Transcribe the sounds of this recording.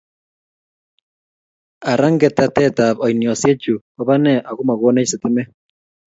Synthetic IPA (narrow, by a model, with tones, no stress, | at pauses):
a˨ɾa˦ŋɡɛ˨t̪a˨t̪ɛ˦t̪a˨bɔ˨jnjo˨sje˦t͡ʃu˨ | ɔβa˦nɛ˦ʔa˨ɣu˦ma˨ɣo˦ne˦sɪ˨t̪ɪ˦mɛ˦